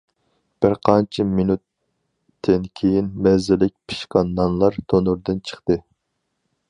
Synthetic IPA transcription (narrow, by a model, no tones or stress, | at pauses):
b̥ɪɾqʰɑnt͡ʃʰiminut̪ː | ɪnkʲʰejinmɛzɪlɪk̚ʲpʰɨ̥ʃqɑnːɑnlˠɑɾt̪ʰonuɾd̪ɨnt͡ʃʰə̥χt̪ɨ